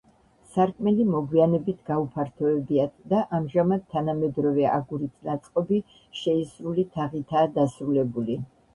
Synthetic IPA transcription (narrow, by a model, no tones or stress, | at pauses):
saɾkʼmɛlimɔɡwianɛbit̪ʰɡ̥aupʰaɾt̪ʰɔɛbiad̪d̪aʔamʒamad̪̚t̪ʰːanamɛd̪ɾɔvɛa̰ɡuɾit̪ʰnat̪sʼqʼɔbi | ʃɛisɾulit̪ʰaʁit̪ʰaːd̪asɾulɛbuli